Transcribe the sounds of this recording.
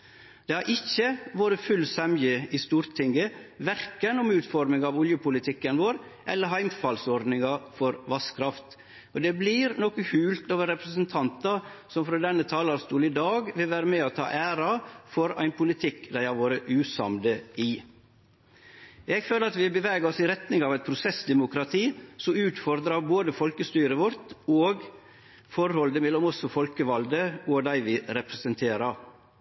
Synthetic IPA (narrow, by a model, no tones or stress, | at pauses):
d̪̥ɛhɑɾʔɪçːəʋoːɾəfʉlsɛmjəɪst̪uːɾt̪ʰɪŋɡəʋæɾkənʊmʉːt̪fɔɾmɪŋɑʋʊljəpʰʊlɪt̪ʰɪkːənʋoːɾ | ʔɛlːəɾɦæɪmfɑlsɔɾd̪nɪŋɑfɔɾʋɑskʰɾɑft̪ | ɔd̪ɛblɪɾnɔkəhʉːlt̪oːʋəɾɛpɾəsənt̪ʰɑnt̪ɑsɔmfɾoːd̪ɛnːət̪ʰɑːlɑɾst̪uːlɪd̪ɑːɡʋɪlʋæːɾəmeːot̪ʰɑ̰ːʔæːɾɑfɔɾæ̰ɪnpʰʊlɪt̪ʰɪkːd̪æɪhɑʋoːɾəʔʉːsɑ̰md̪əɪ | jɛɡføːləɾɑt̪ʋɪbəʋæːɡəɾɔsɪɾɛt̪nɪŋɑːʋɛɪt̪̚pʰɾʊsɛsd̪ɛmʊkɾɑt̪ʰiːsɔmʉːt̪fɔɾd̪ɾɑboːd̪əfɔlkəst̪yːɾəʋɔɾt̪oːɡ | fɔɾhɔld̪əmɛlːɔmɔsɔfɔlkəʋɑld̪əoːd̪æɪʋɪɾɛpɾɛsənt̪ʰeːɾɑɾ